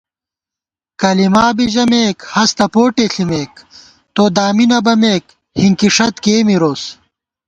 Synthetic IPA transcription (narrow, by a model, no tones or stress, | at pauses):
kɐlimaːbiʑɐmeːkhɐst̪ɐpoːʈeɬimeːk̚ | t̪oːd̪aːminɐbɐmeːk | hiŋkiʂɐt̪keːmiɾoːs